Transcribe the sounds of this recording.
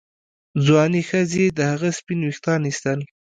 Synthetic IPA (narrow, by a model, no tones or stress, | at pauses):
zwɑnixəzed̪əhaɣaspinwixt̪ɑnist̪əl